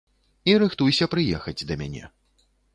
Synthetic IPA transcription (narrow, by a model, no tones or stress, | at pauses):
iɾɨxt̪ujsʲɐpɾɨjɛxɐd͡zʲd̪ɐmʲa̰nʲɛ̰